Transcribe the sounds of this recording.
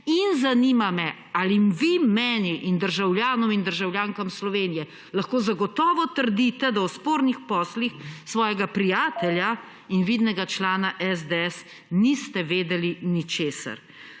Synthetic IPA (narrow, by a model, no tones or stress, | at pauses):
inzanimamɛ | alimʋimɛːniʔind̪əɾʒawljaːnɔmind̪əɾʒawljaːŋkamslɔʋeːnijɛ | laxkoːzaɡɔt̪ɔːʋɔt̪əɾd̪it̪ɛd̪awspoːɾnixpɔːslixsʋɔːjɛɡapɾijaːt̪ɛlja | inʋid̪nɛɡat͡ʃlaːnaʔɛzd̪ɛɛs | nist̪ɛʋeːd̪ɛlinit͡ʃeːsa̰ɾ